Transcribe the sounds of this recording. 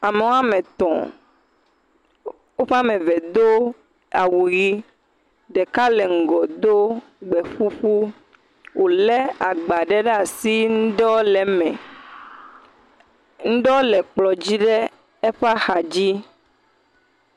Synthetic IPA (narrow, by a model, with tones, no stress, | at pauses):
a˨me˨wo˦a˦mẽ˨t̪ɔ̰̃˨ | wo˦ɸa˦mẽ˨vɛ˨d̪o˦ | a˨wu˨ɣi˦ | ɖɛ˨ka˦lɛ˨ŋ̩˨ɡɔ˨d̪o˦ | ɡ͡bɛ˨ɸu˦ɸu˦ | wʔo˨le˦a˨ɡ͡ba˨ɖɛ˦ɖɛ˦a˨si˦ŋũ˦ɖɔ˦lɛ˨mɛ̃˨ | ŋ̩̃˦ɖɔ˦lɛ˨k͡plɔ˨d͡ʑi˦ɖe˦ | e˦ɸa˦xa˨d͡ʑi˦